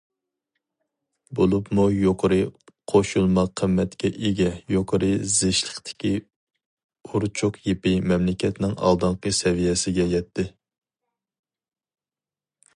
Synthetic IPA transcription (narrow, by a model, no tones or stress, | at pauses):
bolˠupmujoqʰəɾɨqʰoʃulˠmɑqʰːəmːɛt̪kʲɛʔeɡʲɛjoqʰəɾɨzɪʃlˠəχt̪ʰɪ̥kʲi | uɾt͡ʃʰuqʰjepɪmɛmlɪkʲɛt̪nɪŋɑ̰lˠd̪ɑŋqəsɛvijɛsɪɡʲɛjɛt̪ʰːɪ